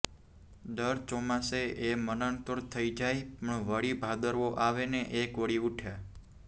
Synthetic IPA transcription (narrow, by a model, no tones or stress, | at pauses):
ɖəɾt͡ʃomaseʔemənəɳkəɾt̪ʰəid͡ʒajpəɳʋəɽibʱad̪əɾʋoʔaʋeneʔekoɽiuʈʰja